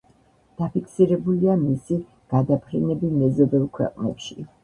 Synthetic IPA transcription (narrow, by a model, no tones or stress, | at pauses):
d̪̥apʰikʰsiɾɛbuliamisi | ɡ̥ad̪apʰɾɛnɛbimɛzɔd̪ɛlˠkʰwɛ̰qʼnɛ̰pʃi